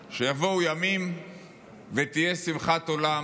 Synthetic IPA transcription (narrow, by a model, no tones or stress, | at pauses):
ʃejavo̞wjamim | vet̪ijesimχat̪o̞la